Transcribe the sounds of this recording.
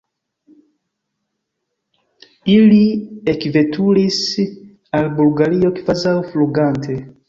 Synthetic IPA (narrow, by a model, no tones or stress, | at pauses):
iliekve̞tʰulis | albulɡaɾio̞kivazawfluɡantʰe̞